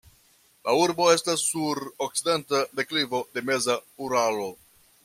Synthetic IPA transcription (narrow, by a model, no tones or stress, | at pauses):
lauɾbo̞e̞stasːuɾok̚t͡side̞ntade̞klivo̞de̞me̞zauɾalo̞